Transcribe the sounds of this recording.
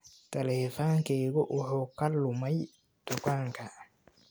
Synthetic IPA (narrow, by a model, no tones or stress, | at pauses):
t̪ʰɐlɛːfaːŋkʰɛːɣʊwʔʊħuːkʰɐlʊmɛj | d̪̥ʊkaːŋkʰɐ